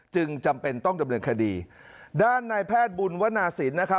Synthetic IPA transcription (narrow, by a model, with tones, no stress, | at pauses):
t͡ɕɯ˧ŋt͡ɕa˧mpe˧nt̪ɔ˥˩ŋda˧mnɤː˧nkʰa˧diː˧ | daː˥˩nːaː˧jpʰɛː˥˩t̪̚bu˧nwa˦˥naː˧siː˩˦nna˦˥kʰa˦˥